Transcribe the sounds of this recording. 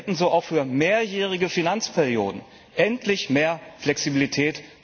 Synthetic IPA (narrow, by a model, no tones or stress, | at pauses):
tn̩zoːʔaʊxfyːɐmeːɐjɛːʁ̞ɪɡəfinant͡spʰɛʁjo̰ːdn̩ | ʔɛntʰlɪçmeːɐflɛksibilitʰɛːt